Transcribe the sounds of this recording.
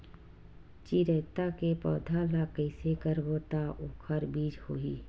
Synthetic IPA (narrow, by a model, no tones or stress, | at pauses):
t͡ʃiɾət̪akepɔːd̪ʱalakəɪsekəɾboːt̪aʔoːkʰəɾbiːd͡ʒhoːiː